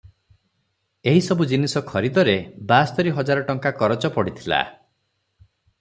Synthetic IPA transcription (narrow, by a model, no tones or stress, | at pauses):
eɦisɔbud͡ʒinisɔkʰɔɾid̪ɔɾebast̪ɔɾiɦɔd͡ʒaɾɔʈɔŋkakɔɾɔt͡ʃɔpɔɽit̪ʰila̰